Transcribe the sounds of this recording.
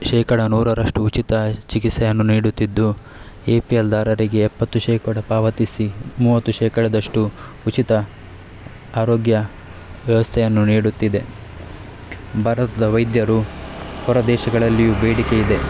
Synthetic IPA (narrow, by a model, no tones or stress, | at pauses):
ʃɛːkɐɽɐnuːɾɐɾɐʂʈuːt͡ʃit̪ɐt͡ʃikit̪sɐjɐnːuniːɽut̪ːid̪ːu | eːpield̪aːɾɐɾiɡe̞ːpːɐt̪ːuʃɛːkɐɽɐpaːʋɐt̪isimuːʋɐt̪ːuʃɛːkɐɽɐd̪ɐʂʈuː | t͡ʃit̪ɐ | aːɾoːɡjɐ | ʋjɛʋɐst̪ʰɛjɐnːuniːɽut̪ːid̪e̞ | bʱɐːɾɐt̪ɐd̪ɐʋɐjd̪jɐɾuhɔɾɐd̪ɛːʃɐɡɐɭɐlːijubeːɽike̞jid̪e̞